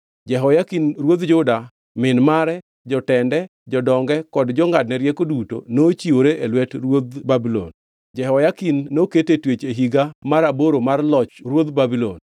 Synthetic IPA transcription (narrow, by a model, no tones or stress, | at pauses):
d͡ʒɛɦɔjakinrwod̪d͡ʒʊda | mɪnmaɾɛ | d͡ʒɔtɛndɛ | d͡ʒɔdɔŋɡɛkɔdd͡ʒɔŋɡad̚nɛɾjɛkoduto̰not͡ʃioɾeʔelwɛtɾwod̪babilɔ̰n | d͡ʒɛɦɔjakinːoketetwet͡ʃeɦiɡamaɾaboɾomarlɔt͡ʃɾwod̪babilɔn